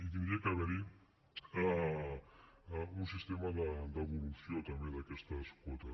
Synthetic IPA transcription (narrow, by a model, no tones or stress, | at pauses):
it̪imekaβeɾi | a | unsist̪emaðad̪aβolusiot̪ameðakest̪aeskot̪a